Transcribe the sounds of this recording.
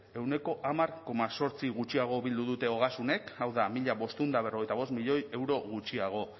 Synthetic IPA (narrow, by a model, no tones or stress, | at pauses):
e̞wne̞ko̞ʔamaɾko̞maso̞ɾt͡siɣut͡ʃiaɣ̞o̞βild̪uðut̪e̞o̞ɣ̞asune̞kawðamiʎaβo̞st̪und̪aβ̞e̞reo̞ɣjt̪aβo̞smiʎo̞je̞wɾo̞ɣ̞ut͡ʃiaɣ̞o̞